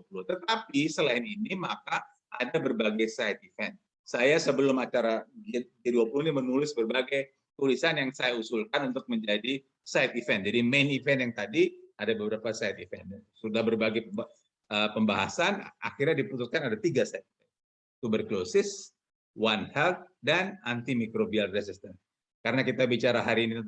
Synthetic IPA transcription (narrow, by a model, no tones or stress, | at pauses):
duapulʊht̪ət̪apisəlaɪninimaka | ʔa̰dabərbaɡajsajt̪̚ifɛn | sajasəbəlʊmat͡ʃaɾaɡiɡiaduapuluhinimənulɪsbərbaɡaj | t̪ulisanjaŋsajausulkanunt̪ʊk̚məɲd͡ʒadi | sajt̪ifɛn̚d͡ʒadimenifɛnjaŋt̪adiadabəbəɾapasajt̪ifɛnsudahbərbaɡaj | əpəmbaɦa̰sana̰xirɲadiput̪uskanadat̪iɡasajt̪̚i̥fɛn | it̪ubərklosɪs | wanhɛlt̪̚danant̪imikɾobialresɪst̪ən | kaɾənakit̪abit͡ʃaɾaɦaɾiːni